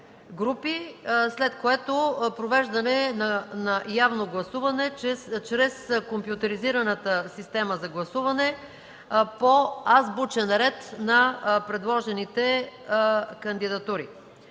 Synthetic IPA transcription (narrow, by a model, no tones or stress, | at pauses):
ɡɾupislɛt̪koɛt̪opɾovɛʒd̪ɐnɛnɐnɐjavnoɡlˠɐsuvɐnɛt͡ʃɾɛskompjʊt̪ɛɾiziɾɐnət̪əsist̪ɛməzɐɡlˠɐsuvɐnɛ | poazbut͡ʃɛnɾɛt̪nɐpɾɛd̪lˠɔʒɛnit̪ɛ | kɐnd̪id̪ɐt̪uɾḭ